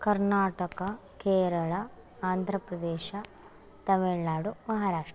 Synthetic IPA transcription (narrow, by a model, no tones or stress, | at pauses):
kɐɾnaːʈɐkɐkeːɾɐɭɐ | aːnd̪ʱɾɐpɾɐd̪ɛːʃɐ | t̪ɐmiɭnaːɽumɐɦaɾaːʂʈɐ